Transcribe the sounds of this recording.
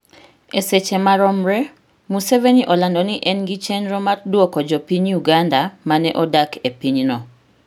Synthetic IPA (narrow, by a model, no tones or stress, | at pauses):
eset͡ʃemaɾɔmɾɛ | museveniʔɔlandɔniʔɛnɡit͡ʃɛnɾomardwɔkɔd͡ʒɔpiɲuɡandamanɛʔɔdakʰepiɲnɔ